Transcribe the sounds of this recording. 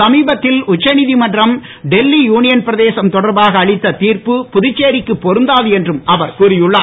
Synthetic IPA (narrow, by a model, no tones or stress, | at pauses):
ɐmiːbɐt̪ːɪlʊt͡ʃːɐnɪðimɐɳrɐm | ɖɛlːijuːnɪjɐnpɪɾɐðeːsɐmt̪ɔɽɐɾbaːɣɐːɭɪt̪ːɐt̪iːɾpɯpʊðɪt͡ʃːeːɾɪkːɯpːɔɾɯnd̪aːðɯɛndrɯmɐʋɐɾkuːɾɪjɯɭːaː